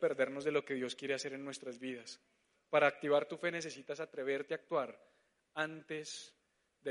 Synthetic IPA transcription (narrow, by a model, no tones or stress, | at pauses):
pe̞ɾd̪e̞ɾno̞zd̪e̞lo̞ke̞ðjo̞skje̞ɾe̞ase̞ɾe̞nːwe̞st̪ɾazbiðas | paɾaːk̚t̪iβaɾt̪ufe̞nes̬e̞sit̪asat̪ɾe̞βe̞ɾt̪eaːk̚t̪waɾ | ant̪e̞s | d̪e